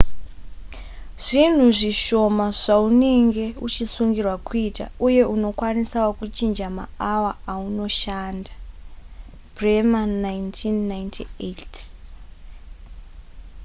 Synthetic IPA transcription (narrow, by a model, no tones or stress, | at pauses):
ʐ̥in̤uʐiʃo̞maʐ̥aune̞ŋɡe̞ut͡ʃisuŋɡirwakuita̰uje̞ʔuno̞kwanisawakut͡ʃind͡ʒama̰awaauno̞ʃaːnda | bremanajntʰinːajntʰiet